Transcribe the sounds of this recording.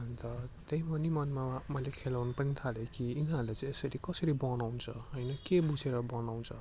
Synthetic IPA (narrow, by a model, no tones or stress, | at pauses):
ʌnt̪ʌt̪ejmʌnimʌnmamʌjlekʰelaɦunupʌnit̪ʰalekiːnɦarlet͡sʌ̃esʌɾikʌsʌɾibʌnawnt͡sʰʌɦʌjnʌkebud͡zʱeɾʌbʌnaw̃nt͡sʰʌ